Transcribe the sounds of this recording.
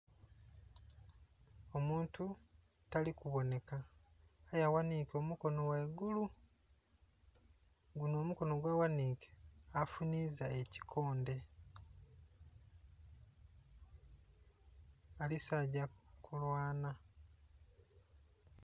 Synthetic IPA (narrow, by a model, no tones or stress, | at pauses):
o̞muːntu | talikuβo̞ne̞kaː | jawaniːko̞ːmuko̞no̞weɡulu | ɡuno̞ːmuko̞no̞ɡwaːwaniːke̥afuniːzaeci̥kʰo̞ːnde̞ | alisaɟakʰulwaːna